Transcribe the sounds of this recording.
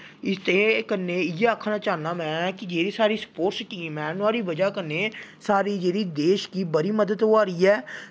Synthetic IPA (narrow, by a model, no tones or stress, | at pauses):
ɪst̪eːkənːeːɪjeːaːkʰːnãːt͡ʃaːnaːmɛ̃ːkɪd͡ʒeːɾiːsaːɾiːsə̥poːʈsʈiːmɛːnʊaːɾiːbəd͡ʒaːkənːeːsaːɾiːd͡ʒeːɽiːd̪eːʃkiːbəɾiːməd̪əd̪ɦoaːɾiːɛː